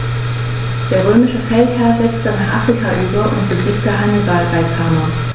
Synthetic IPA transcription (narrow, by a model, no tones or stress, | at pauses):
d̥eːɐʁøːmɪʃəfɛlthɛɐzɛt͡stənaχʔafʁ̥ikʰaʔyːbɐʔʊ̰ntb̥əɡiːpd̥aʔaɪnəzaːlʁaɪkʰamɐ